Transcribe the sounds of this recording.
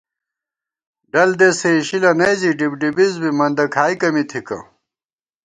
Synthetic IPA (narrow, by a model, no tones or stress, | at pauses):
ɖɐld̪eseiɕilɐnɐjziɖibɖibizbimɐnd̪ɐkʰaːjkɐmit̪ʰikɐ̰